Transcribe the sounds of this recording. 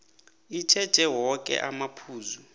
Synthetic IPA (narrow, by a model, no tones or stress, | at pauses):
it͡ʃʰɛd̥ʒ̥ʱɛwɔkʼɛ̰ʔamapʰuːzu